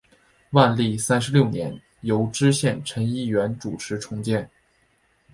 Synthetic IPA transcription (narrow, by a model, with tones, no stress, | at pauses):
wa˥˧nli˥˩sa˥nʂ̩˧ljo˥˩ʊnjɛ̰˧˥n | jo˧˥ʊʈ͡ʂɻ̩˥ɕjɛ˥˩nʈ͡ʂʰə˧˥ni˥˩ɥɛ˧˥nʈ͡ʂu˨˩ʈ͡ʂʰɻ̩˧˥ʈ͡ʂʰʊ˧˥ŋt͡ɕjɛ˥˩n